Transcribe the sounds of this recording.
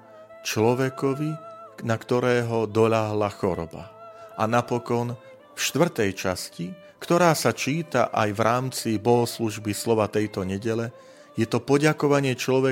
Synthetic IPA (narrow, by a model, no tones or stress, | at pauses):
t͡ʃlɔʋɛkɔʋinakt̪ɔɾɛːɦɔd̪ɔʎaɦlaxɔɾɔ̰ba̰ʔanapɔkɔn | fʃt̪ʋr̩t̪ɛjt͡ʃasci | kt̪ɔɾaːsat͡ʃiːt̪a̰ʔajvɾʔaːmt͡sibɔɦɔsluʒbislɔʋat̪ɛjt̪ɔɲɛɟɛlɛ | jɛt̪ɔpɔɟakɔʋaɲɪɛt͡ʃlɔʋɛ